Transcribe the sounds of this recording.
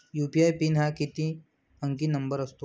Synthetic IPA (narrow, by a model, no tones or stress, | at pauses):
juːpiajpiːnɦakit̪ĩ | əŋkiːnəmbəɾəst̪o